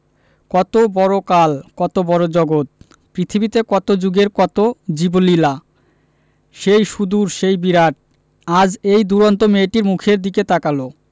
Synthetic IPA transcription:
kɔt̪obɔɾokalkɔt̪obɔɾod͡ʑɔɡot̪̚ | pɾit̪ʰibit̪ekɔt̪od͡ʑuɡeɾkɔt̪od͡ʑibolila | ʃejʃud̪uɾʃejbiɾaʈ̚ | ad͡ʑejd̪uɾont̪omeʈiɾmukʰeɾd̪iket̪akalo

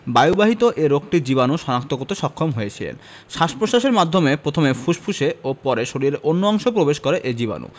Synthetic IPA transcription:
bajubaɦit̪oʔeɾok̚ʈid͡ʑibanuʃɔnak̚t̪okot̪eʃɔkʰːomɦoet͡ɕʰilḛn | ʃaʃpoʃaʃeɾmad̪ʱːomepɾot̪ʰomefʰuʃpʰuʃeopɔɾeʃoɾieɾonːoɔŋʃopɾobeʃkoɾeʔed͡ʑiβa̰nṵ

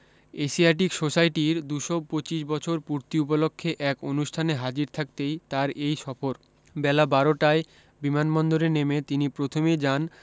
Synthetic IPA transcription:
esiaʈ̬iksoʃajʈiɾd̪uʃopot͡ɕiʃ̬bɔt͡ɕʰoɾpuɾt̪iup̬olokʰːeʔɛkonuʃʈʰaneɦad͡ʑiɾt̪ʰak̚t̪ejt̪aɾejʃɔfoɾ | bɛlabaɾoʈae | bimanmɔnd̪oɾenemet̪inipɾot̪ʰomed͡ʑan

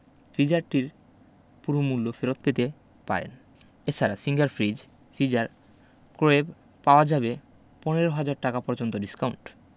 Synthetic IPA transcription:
fid͡ʑaɾʈiɾ | puɾomulːofeɾot̪̚pet̪e | pa̰ɾḛn | et͡ɕʰaɾasiŋɡaɾfʰɾid͡ʑ | fʰid͡ʑaɾ | koeb | paoad͡ʑabe | pɔneɾoɦad͡ʑaɾʈakapɔɾd͡ʑont̪oɖiskawɳʈ

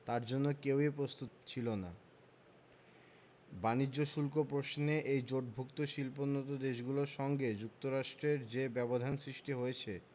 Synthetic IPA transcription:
t̪aɾd͡ʑonːokewipɾost̪ut̪t͡ɕʰilona | banid͡ʑd͡ʑːoʃulkopɾoʃneʔejd͡ʑoʈbʱukt̪oʃilponːot̪̬od̪eʃɡuloɾʃɔŋɡed͡ʑuk̚t̪oɾaʃʈɾeɾd͡ʑebɛbod̪ʱansɾiʃʈiɦojet͡ɕʰe

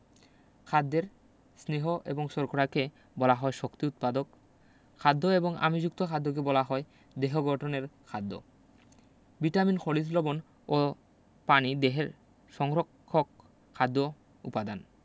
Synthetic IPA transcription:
kʰad̪ːeɾ | sneɦoʔḛboŋsoɾkʰoɽake | bɔlaɦɔeʃokt̪iut̪̚pad̪ok | kʰad̪ʱːoeboŋa̰mid͡ʑuk̚t̪okʰad̪ːok̬ebɔlaɦɔe | d̪eɦoɡʱɔʈʰoneɾkʰad̪ʱːo̰ | biʈaminxʰoɽislobon | o | panid̪eɦeɾ | ʃɔŋɾokʰːokʰː | ad̪ːo | ṵpad̪an

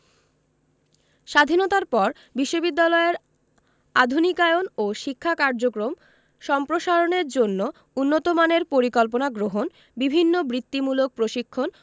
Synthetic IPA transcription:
ʃad̪ʱinot̪aɾpɔɾ | biʃːobid̪ːalɔeɾ | ad̪ʱunikaeonoʃikʰːakaɾd͡ʑokɾom | ʃɔmpɾoʃaɾoneɾd͡ʑonːo | unːot̪omaneɾpoɾikɔlp̬onaɡɾoɦon | bibʱinːobɾit̪ːimulok̚pɾoʃikʰːon

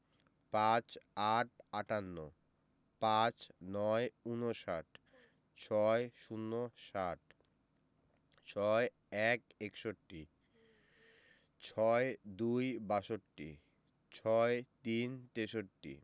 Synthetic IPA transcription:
pãt͡ɕaʈ̚ʰaʈanːo | pãt͡ɕnɔeunoʃaʈ | t͡ɕʰɔeʃunːoʃaʈ̚ | t͡ɕʰɔe | ɛkekʃoʈːi | t͡ɕʰɔed̪ujbaʃoʈːḭ | t͡ɕʰɔet̪int̪eʃoʈːḭ

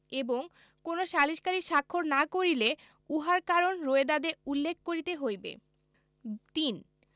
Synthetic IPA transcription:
eboŋ | konoʃaliʃkaɾiʃakʰːoɾnakoɾile | uɦaɾkaɾonɾoed̪ad̪eulːekʰkoɾit̪eɦojbḛ | t̪in

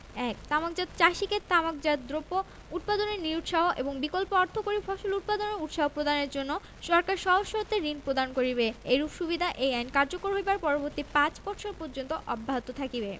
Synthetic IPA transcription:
ɛk̚t̪amak̚d͡ʑad̪̚t͡ɕaʃiket̪amak̚d͡ʑad̪̚d̪ɾopo | ut̪̚pad̪oneɾniɾuʈ̪ʃaɦoʔeboŋbikolpoɔɾt̪ʰokoɾifʰɔʃolut̪̚pad̪oneut̪ʃaɦopɾod̪aneɾd͡ʑonːo | ʃɔɾkaɾʃɔɦoʃːoot̪ːeɾinpɾod̪ankoɾibeeɾupʃubid̪ʱaʔejajnkaɾd͡ʑokoɾɦojbaɾpɔɾoboɾt̪ipãt͡ɕbɔɾʃʰoɾpoɾd͡ʑont̪oʔɔbʱːaɦot̪ot̪ʰakibe

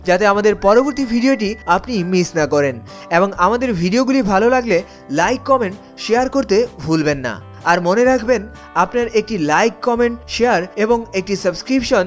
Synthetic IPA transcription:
d͡ʑat̪eamad̪eɾpɔɾoboɾt̪ibʱiɖioʈ̬iapnimisnakɔɾen | eboŋamad̪eɾbʱiɖioɡulibʱalolaɡle | lajkːɔmeɳʈ | ʃeaɾkoɾt̪ebʱulbenːa̰ | aɾmoneɾakʰben | apnaɾek̚ʈilajkːɔmeɳʈʃeaɾeboŋek̚ʈisəbskɾipʃon

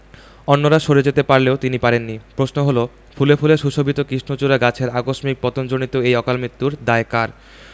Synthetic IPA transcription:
ɔnːoɾaʃoɾed͡ʑet̪epaɾleot̪inipaɾenːipɾosnoɦolo | fʰulefʰuleɾʃuʃobʱit̪okɾiʃnot͡ɕuɾaɡat͡ɕʰeɾakoʃmik̚pɔt̪ond͡ʑonit̪oejɔkalmɾit̪ːuɾd̪aekaɾ

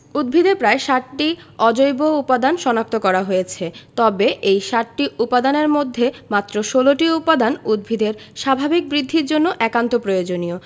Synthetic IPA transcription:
ud̪̚bʱid̪ʱepɾaeʃaʈʈiɔd͡ʑojboupad̪anʃɔnak̚t̪okɔɾaɦojet͡ɕʰet̪ɔbeʔejʃaʈʈiʔupad̪aneɾmod̪ʱːemat̪ːɾoʃoloʈiupːad̪anud̪̚bʱid̪eɾʃabʱabik̚bɾid̪ʱːiɾd͡ʑonːoʔɛkant̪opɾojod͡ʑonio

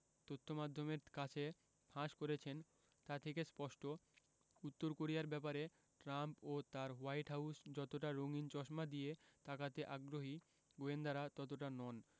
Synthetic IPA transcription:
t̪ot̪ʰːomad̪ʱːomeɾkat͡ɕʰe | pʰãʃkoɾet͡ɕʰen | t̪at̪ʰekespɔʃʈʰo | ut̪ːoɾkoɾijaɾbɛpaɾe | ʈɾampot̪aɾwajʈɦawsd͡ʑɔt̪oʈaɾoŋint͡ɕɔʃmad̪ijet̪akat̪eʔaɡɾoɦi | ɡoend̪aɾat̪ɔt̪̬oʈanɔn

